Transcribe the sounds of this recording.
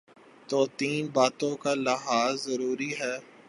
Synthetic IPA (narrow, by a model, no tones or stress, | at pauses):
t̪oːt̪iːnbaːt̪õkalɪɦaːzːɐɾuːɾiɦɛː